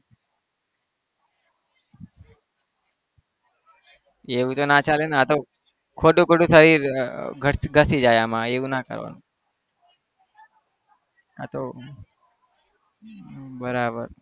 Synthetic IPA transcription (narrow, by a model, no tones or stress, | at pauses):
eʋũt̪onat͡ʃalenat̪o | kʰoʈũkʰoʈũsəɾiɾɡʱəɡʱəsid͡ʒajamãeʋũnakə̰ɾʋa̰nũ | a̰t̪o | bəɾabə̰ɾ